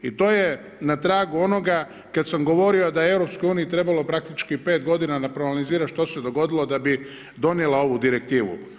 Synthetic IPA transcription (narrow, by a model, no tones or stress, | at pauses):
it̪o̞ːje | nat̪ɾaːɡuo̞no̞ɡa | kad̪samɡo̞ʋo̞ɾio̞d̪ajeevɾo̞pskojuːniit̪ɾe̞balˠo̞pɾak̚t̪it͡ʃkipe̞ːt̪̚ɡo̞d̪inanapɾonaliziːɾaʃt̪o̞se̞d̪o̞ɡo̞d̪ilˠo̞d̪abi | d̪o̞njelˠao̞ʋud̪iɾe̞kt̪iːʋṵ